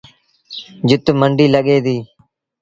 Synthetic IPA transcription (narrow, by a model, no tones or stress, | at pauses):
d͡ʒɪt̪məɳɖiːləɠeːd̪iː